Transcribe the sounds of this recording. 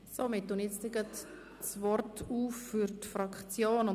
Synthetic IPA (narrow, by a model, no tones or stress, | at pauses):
somɪtːʊnet͡stɪɡət | svɔrtuːfːyɾtfɾɑkχt͡sjoːnʊ